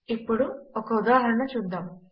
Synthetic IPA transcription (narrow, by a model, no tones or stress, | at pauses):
ipːoɽuokːɐud̪aːɦɐɾɐɳɐt͡ɕund̪ɐm